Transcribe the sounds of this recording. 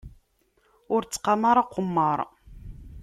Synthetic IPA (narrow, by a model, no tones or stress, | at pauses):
ʊɾt͡sːqːɑmaɾˤɑqːʊmːəɾˤ